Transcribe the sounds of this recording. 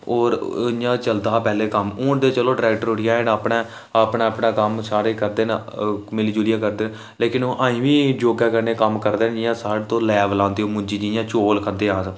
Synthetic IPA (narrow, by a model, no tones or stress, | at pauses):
oːɾãːt͡ʃəld̪aːpɛːleːkəmʊːɳd̪eːt͡ʃəloːɖɾɛːkʈəɾɦʊɽɪjãːenaːpɳãː | apnaːəpɳaːkəmsaːɾeːkəɾd̪eːnmɪliːd͡ʒʊlɪjãːkəɾd̪eː | leːkɪnoːʔãːĩːʋĩːd͡ʒoːɡaːkəɾneːkəmkəɾd̪eːd͡ʒijãːsaːɽt̪õːlɛːʋəlãːnd̪eːõːmʊ̃d͡ʒiːd͡ʒiːjãːt͡ʃoːlkʰənd̪eːãːs